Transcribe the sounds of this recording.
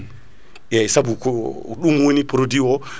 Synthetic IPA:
jajsabukɔɗumwonipɾodiwɔ

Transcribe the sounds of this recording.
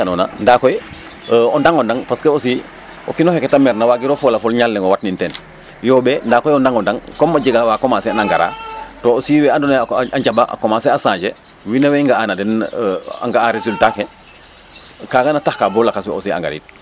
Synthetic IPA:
kanɔna̰ndakɔj | ɔndaŋɔndaŋpaskeosi | ɔ̰kinɔhɛkːɛtamɛɾnawaɡiɾɔfɔlafɔlɲalːɛŋɔwatnintɛn | jɔːbɛndaːkɔjɔndaŋɔndaŋkɔmːaɟiɡawakɔmasɛnaŋɡaɾa̰ːtɔːosiːwɛandɔnaɲd͡ʒabaʔa̰kɔmaːsɛasãːɟɛ | winawɛŋɡaanadɛna̰ŋɡaaɾesultakɛ | kaːɡanatahkabɔlakaswɛosia̰ŋɡa̰ɾḭt̚

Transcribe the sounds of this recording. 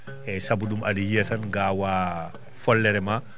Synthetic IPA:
ɛsɐbuɗumʔɐdijiɛtɐnɡaːwaː | fɔlːɛɾɛma

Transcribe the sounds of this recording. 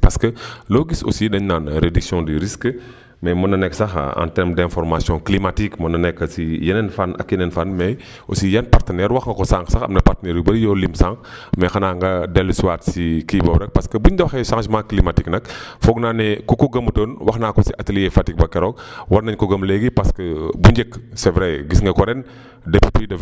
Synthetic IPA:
pɐskəloːɡiso̰sidɐɲnanɾediksjɔ̃diɾisk | mɛmɐnɐnɛksɐxã̰ntɛɾmdɛ̃nfɔɾmasjɔ̃klimatikmɐnɐnɛkːɐsijɐnɛnfanʔɐ̰kjɛnɛnfanmɛj | osijɐnpartənɛːɾwɐxŋɡɐkɔsãŋksɐxɐ̰mnɐpartənɛːɾibɐɾjɔlimsãŋkmɛxɐnaːŋɡɐdɛlsuwaːtsikibɐbɾɛk̚pɐskɐbuɲdɐwɐxɛsãŋsimakːlimatiknɐkfɔɡnaːnɛkukoɡɐmutoːnwɐxnaːkɔsiʔɐtiljefatik̚bɐkɛɾɔk̚wɐɾnɐɲkɔɡɐmleɡipɐskɐbuɲd͡ʒɛksɛvɾɛɡisŋɡɐkɔɾɛn | dɐpipidɐ

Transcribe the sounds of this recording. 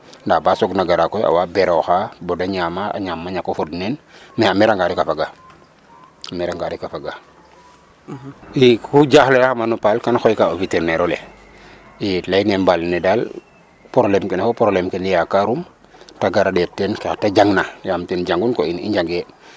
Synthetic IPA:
ndabasɔɡnaɡaɾakɔja̰wabɛɾoxabɔdaɲamaa̰ɲamːaɲakofodnɛnmɛamɛɾaŋɡaɾikafaɡa | amɛɾaŋɡaɾikafaɡa | ikuɟaxlejaxamanupalkanxojkaovitɛɾneɾole | ilajnembalnɛdal | poɾlɛmkɛnafopɔɾolemkɛnijakaɾum | taɡaɾadɛp̚tɛnkatad͡ʒaŋnajamtɛnɟaŋɡunkoinḭɲɟaŋɡe

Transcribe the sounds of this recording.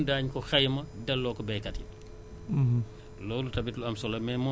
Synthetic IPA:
ndaːɲkɔxɛjmɐdɐlːɔːkɔbɛjkɐtḭ | lɔːlutɐbitluɐmsɔlɐmɛmɔ

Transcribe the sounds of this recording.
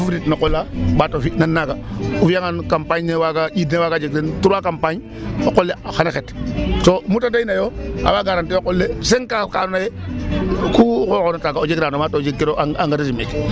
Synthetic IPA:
fafɾitnokolːabatofinanːaɡaufijaŋankampaɲnewaɡaidnewaɡad͡ʒekdentuɾakampaɲ | okolːeaxanaxetsomutadainajoa̰baɡaɾantiokolːeseŋkaka̰nnaje | kukokonataɡaod͡ʒekɾanomatod͡ʒekkeɾoʔaa̰ŋɡadazimek

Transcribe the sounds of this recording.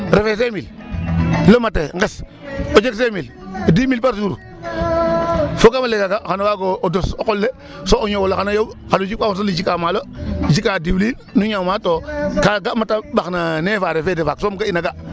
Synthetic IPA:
ɾefes̬emil | lomateŋɡes | od͡ʒeks̬emil | odimilpaɾsuɾṵ | fokamaleɡaɡaxanowaɡoodosokolːe | sooɲowoloxanojawxalud͡ʒipawos̬olid͡ʒikamalod͡ʒikadiwlil | nuɲamatokaɡamatabaxnanefaɾefedefaksomɡainaɡa

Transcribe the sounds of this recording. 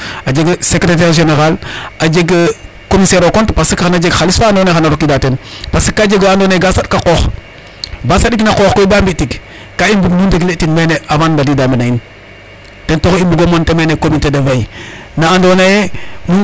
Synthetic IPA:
ad͡ʒeɡsekɾet̬eɾʒeneɾalad͡ʒeɡ | komiseɾokontpasikxanad͡ʒeɡxalisfaːndonaxanaɾokidatenpasi̥kːad͡ʒeɡoandonaeɡasatkaqox | basaɗiknakoxkoibambiʔtiɡ | kaimbuɡnundiɡletinmeneavanbadidambenain | tentoximbuɡomontemenekobintedevajinaandonajem

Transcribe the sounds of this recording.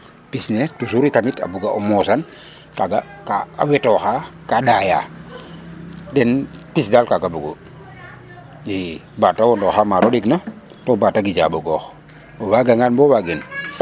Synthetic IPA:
pisnɛtusuɾikamita̰buɡaʔɔmɔsan | kaɡa | kaa̰wɛtɔxakadaja̰ː | dɛnpisdalkaɡabuɡo | jibatawɔndɔxamaɾodiknɐ | tɔbataɡiɟa̰boɡɔx | ɔwaɡaŋanbɔwaɡins

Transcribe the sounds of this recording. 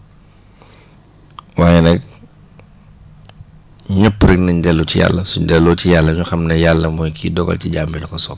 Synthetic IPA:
waːjɛnɛk̚ | ɲəpːɾiknɐɲdɛlːucija̰lːɐsuɲdɛlːɔːcijalːɐɲuxɐmnɐjalːɐmɔjkʰiːdɔɡɐ̰lciɟambilɐkɔsɔk̚

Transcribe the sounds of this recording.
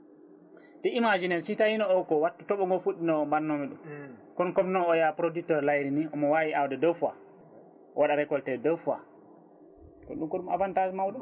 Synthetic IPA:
tɛimad͡ʒinɛnsitajinɔɔkɔwatːɔ̥tɔɓɔŋɡɔfuɗːinɔːmbanːɔmiɗṵmkɔnkɔmnɔɔjapɾodiktɔɾlajɾiniɔmɔwawiʔawdɛdofa̰ | waɗaɾɛkɔltɛdɛwfa̰ | kɔ̰nɗumkɔɗuma̰vantad͡ʒmawɗɔ

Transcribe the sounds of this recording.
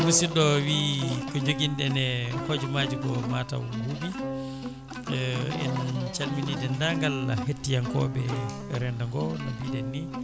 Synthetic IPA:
musiɗɔwikɔd͡ʒoɡindɛnɛhod͡ʒumad͡ʒiɡɔmata̰wwubi | ɛ̰nt͡ʃalminidɛndaŋɡala̰hetːijaŋkɔ̰bɛ | ɾɛndaŋɡɔnabidɛnːi

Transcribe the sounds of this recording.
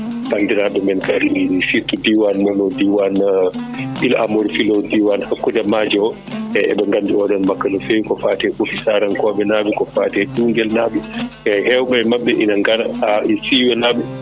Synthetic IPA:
bandiɾabɛmɛnkaɗisitudiwanmɔnɔdiwan | ʔilʔa̰mɔɾfilɔdiwanhakːudamad͡ʒɔ | ɛɛ̰ɓɛŋɡandiɔɗɔnmakːanɔfewkɔfatɛɓukisaːɾankɔɓɛnabikɔfaːtɛd͡ʒuːŋɡɛlnabiɛhɛwɓɛmaɓːɛʔinaŋɡaɾaaisiːwɛnabɛ

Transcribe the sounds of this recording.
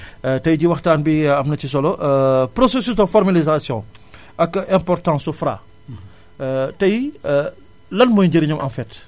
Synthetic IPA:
tɐjɟiwɐxtaːnbiɐmnɐcis̬ɔlɔʔpɾosesysdəfɔɾmalizasjɔ̃ | ʔɐkɛ̃mpɔrtãːsufɾa̰ | tɐj | lɐnmɔjɲɟɐɾiɲɐmʔɐ̰mfɛt

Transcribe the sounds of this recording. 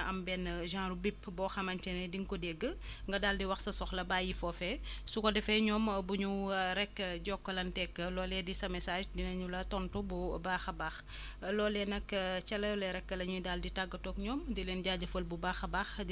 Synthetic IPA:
ɐmbɛnʒãːɾubipːbɔxɐmɐntɛnɛdiŋkɔdɛɡəŋɡɐdaːldiwɐxsɐsɔxlɐbaːjifɔfɛsukɔdɛfɛɲɔːmbuɲuɾɛkːəɟɔkːɔlɐntɛkːəlɔːlɛdisɐmɛsaːʒdinɐɲulɐtɔntububaːxɐbaːx | lɔːlɛnɐkt͡ʃɐlɐjɔlɛɾɛkːəlɐɲudaːlditaɡːətɔːkɲɔːmdilɛnɟaːɟɐfəlbubaːxɐbaːxd

